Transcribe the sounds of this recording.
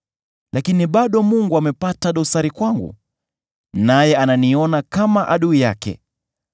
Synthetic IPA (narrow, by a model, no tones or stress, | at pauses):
lʔakiniɓaɗɔmuŋɡuamɛpataɗɔsaɾikwaŋɡṵ | najɛananiɔnakamaʔaɗuija̰kɛ̰